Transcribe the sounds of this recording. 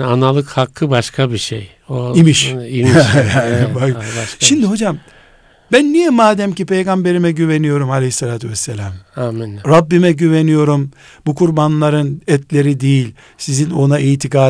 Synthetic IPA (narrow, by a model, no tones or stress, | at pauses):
analˠɯkhakʰːɯbaʃkʰabiʃḛj | oimiʃimanbaʃimd̪iɦo̞d͡ʒam | bænːijɛmaːd̪ɛmcipʰejɡambe̞ɾimɛɟyvenijo̞ɾumalʲehisːalʲaːt̪ʰyvɛsːelʲaːmaminɾabːimɛɟyve̞nijo̞ɾum | bukʰuɾbanlˠaɾɯnɛt̪lʲe̞ɾid̪ijilʲ | sizino̞naʔiːt̪ʰikaː